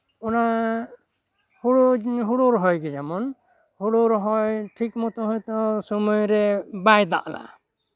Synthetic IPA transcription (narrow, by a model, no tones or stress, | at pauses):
ɔna | huɽoɦuɽɔɾɦɔjɡɛd͡ʒamɔn | huɽɔɾɦɔjʈʰikmɔt̪ɔɦɔjt̪ɔsɔmɔjɾɛbajd̪a̰ʔla̰